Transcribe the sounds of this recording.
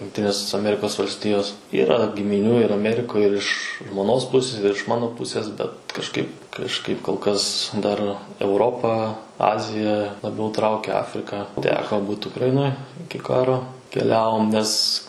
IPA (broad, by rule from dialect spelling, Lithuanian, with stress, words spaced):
jʊŋkˈtʲɪnʲeːs ɐˈmʲæːrʲɪkoːs ʋɐlʲsʲˈtʲɪjoːs ˈiːrɐ ɡʲɪmʲɪˈnʲuː ɪr ɐˈmʲæːrʲɪkoːj ɪr ɪʃ ʒmoːˈnoːs ˈpʊsʲɪs ɪr ɪʃ ˈmɑːnoː ˈpʊsʲeːs ˈbʲɛt kɐʃˈkɐɪp kɐʃˈkɐɪp koːlˠ ˈkɐs dɐr ɛʊˈroːpɑː ˈɑːzʲɪjɛ lˠɐˈbʲɛʊ ˈtrɐʊkʲɛ ˈɑːfʲrʲɪkɐ ˈtʲæːkoː ˈbuːt ʊkrɐˈɪnoːj ˈɪkʲɪ ˈkɑːroː kʲɛˈlʲæːʋoːm nʲɛs